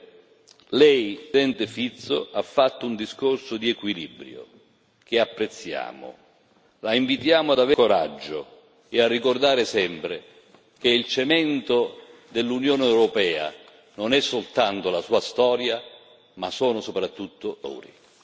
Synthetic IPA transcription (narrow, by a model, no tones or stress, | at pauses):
lɛjsɛnt̪ɪfit̪sːo̰ʔafːat̪ːʊund̪iskorsʊd̪iɛkwilḭbɾjo̰ | k̟ɪapːɾet̪sːja̰ːmʊ̰ | laiɱvit̪jaːmʊad̪avekoɾad͡ʒːʊ | ɪarːikord̪aːɾɪsɛmpɾɪ | k̟eilt͡ʃemɛnt̪od̪elːunjoːnɛwɾopɛːa̰ | nonɛsːolt̪ant̪ʊlasuːast̪ɔːɾja | masɔːnʊsopɾat̪ːut̪ːʊlo̰ːɾḭ